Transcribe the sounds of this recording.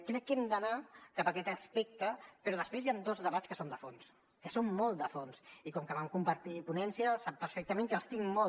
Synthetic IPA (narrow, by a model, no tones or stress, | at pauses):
kɾɛkːɛmd̪ənakapəkɛt̪əspɛk̚t̪əpəɾɔðəspɾezjand̪ozðəβat͡sskəsond̪əfons | kəsommɔlˠt̪̚d̪əfonsikɔmkəβamkumpəɾt̪ipunɛnsiəsapːəɾfɛk̚t̪əmeŋkəlˠst̪iŋmɔ